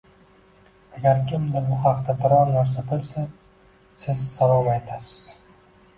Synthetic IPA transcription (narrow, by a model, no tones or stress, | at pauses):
aɡʲaɾkʲʰɪmd̪ɪbʊhɑqt̪abɪɾɒɾnaɾs̬abɪlˠsa | sɪzsavɒvajt̪ʰasɪ̥z̥